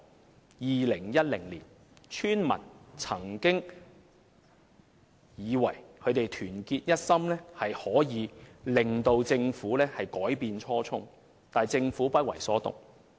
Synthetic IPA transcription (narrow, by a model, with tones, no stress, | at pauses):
jiː˨lɪ˨˩ŋjɐ˥t̚lɪ˨˩ŋliː˨˩n | t͡ʃʰyː˥nmɐ̰˨˩nt͡sʰɐ˨˩ŋkɪ˥ŋ | jiː˨˧wɐ˨˩jkʰɵ˨˧ɥt̪e˨jt̪ʰyː˨˩nkiː˧t̚jɐ˥t̚sɐ˥mlɛː˥hɐ˨jhɔː˨˥jiː˨˧lɪ˨ŋt̪o˧wt͡sɪ˧ŋfuː˨˥lɛː˥hɐ˨jkɔː˨˥jpiː˨˧nt͡ʃʰɔː˥t͡sʰʊ˥ŋ | t̪aː˨jt͡sɪ˧ŋfuː˨˥pɐ˥t̚wɐ̰˨˩jsɔː˨˥t̪ʊ̰˨ŋ̚